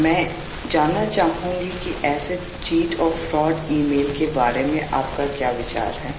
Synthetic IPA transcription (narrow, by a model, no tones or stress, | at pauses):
mɛ̃ː | d͡ʒaːnat͡ʃaːɦɦũŋɡikiʔɛːse | t͡ʃiːʈɔːɾfɾɔːɖiːmeːlkebaːɾemẽʔaːpkakjaːʋɪt͡ʃa̰ːɾɦɛː